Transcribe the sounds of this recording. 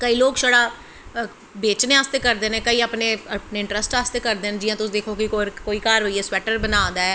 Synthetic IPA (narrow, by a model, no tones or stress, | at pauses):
kəiːloːkʃəɽaː | beːt͡ʃneːaːst̪eːkəɾd̪eːneːkəiːaːpneːpneːɪ̃ɳʈɾəsʈaːst̪eːkəɾd̪eːnːd͡ʒɪːãːt̪ʊsd̪eːkʰoːkɪkoːɾkoːiːkaːɾɦoːiɛːswɛːʈəɾbənaːnd̪aːɛː